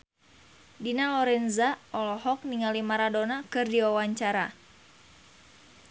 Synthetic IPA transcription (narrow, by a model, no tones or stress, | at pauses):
dinalɔɾɛnzaʔɔlɔhɔk̚niŋalimaɾadonakɨrdiwawaɲt͡ʃaɾa